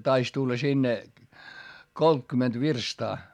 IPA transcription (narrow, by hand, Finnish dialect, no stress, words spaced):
tɑis tulːɑ sinːe koltkymːent ʋirstɑː